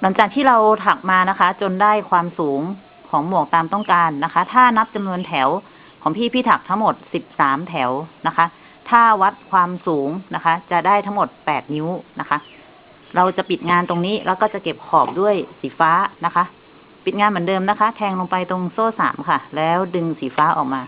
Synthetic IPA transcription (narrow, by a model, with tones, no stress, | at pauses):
na˨˩˦ŋt͡ɕaː˨˩kt̪ʰiː˥˩ɾa˧wt̪ʰa˨˩k̚maː˧na˦˥kʰa˦˥t͡ɕo˧ndaː˥˩jkʰwaː˧msuː˩˦ŋ | kʰɔː˩˦ŋmu˨˩ək̚t̪aː˧mt̪ɔ˥˩ŋkaː˧nːa˦˥kʰa˦˥t̪ʰaː˥˩na˦˥p̚t͡ɕa˧mnu˧ənt̪ʰɛ˩˦w | kʰɔː˩˦ŋpʰiː˥˩pʰiː˥˩t̪ʰa˨˩k̚t̪ʰa˦˥ŋmo˨˩t̪̚si˨˩p̚saː˩˦mt̪ʰɛ˩˦wna˦˥kʰa˦˥ | t̪ʰaː˥˩wa˦˥t̪̚kʰwaː˧msuː˩˦ŋna˦˥kʰa˦˥t͡ɕa˨˩daː˥˩jt̪ʰa˦˥ŋmo˨˩t̪̚pɛː˨˩t̪̚ni˦˥na˦˥kʰa˦˥ʔ | ɾa˧wt͡ɕa˨˩pi˨˩t̪̚ŋaː˧nt̪o˧ŋniː˦˥lɛ̰˦˥˩wkɔː˥˩t͡ɕa˨˩ke˨˩p̚kʰɔː˨˩p̚du˥˩əjsiː˩˦faː˦˥na˦˥kʰa˦˥ | pi˨˩t̪̚ŋaː˧nmɯ˩˦dɤː˧mna˦˥kʰa˦˥t̪ʰɛː˧ŋlo˧ŋpa˧jt̪o˧ŋsoː˥˩sa̰ː˩˦mkʰa˥˩lɛː˦˥wdɯ˧ŋsiː˨˩˦faː˦˥ʔɔː˨˩k̚maː˧